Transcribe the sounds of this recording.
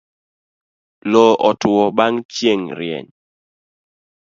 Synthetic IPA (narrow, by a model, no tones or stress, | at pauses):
lɔʔɔtʊwɔbaŋt͡ʃjeŋɾɪɛ̰ɲ